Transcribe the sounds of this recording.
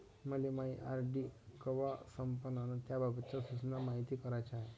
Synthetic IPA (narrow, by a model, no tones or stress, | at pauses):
məlemaiʔaɾɖikəʋasəmpənanat̪jababət̪t͡ɕasut͡snamaɦit̪iːkəɾajt͡ɕaɦe